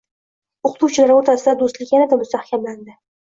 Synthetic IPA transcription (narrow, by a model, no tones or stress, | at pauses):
ʊqʰʊ̥t̪uwt͡ʃʰɪlaɾoɾt̪ʰasɪd̪ad̪ost̪lɪkʲanɪd̪amʊst̪ahkʲʰamland̪ɪ